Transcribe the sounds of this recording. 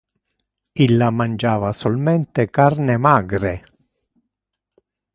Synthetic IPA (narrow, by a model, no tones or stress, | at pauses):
ilːamand͡ʒaːvasolmɛnt̪ekarnemaːɡɾe